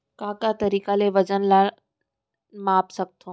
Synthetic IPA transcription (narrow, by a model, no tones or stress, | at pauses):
kãːkat̪ɐɾiːkaleʋɐd͡ʑənlaɪ | maːpsɐɡ̚t̪ʰoː